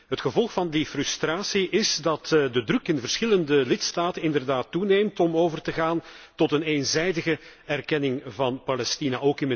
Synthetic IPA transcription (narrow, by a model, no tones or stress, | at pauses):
ɦətxəvɔlˠxfɑndifrʏstraːsiɪzdɑtdədrɵkɪnvərsxɪləndəlɪtstaːtənɪndərdaːtːuneːjmtɔmoːvərtəɣaːntɔtəneːnzɛjdəɣəɛrkɛnɪŋvɑnpalɛstinaʔoːkɪnə